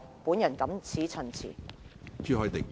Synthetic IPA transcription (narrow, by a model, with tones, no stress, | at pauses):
puː˨˥njɐ˨˩nkɐ˨˥mt͡sʰiː˨˥t͡sʰɵ˨˩nt͡sʰḭː˨˩t͡ʃyː˥hɔː˨˧˥t̪ɪ˨k̚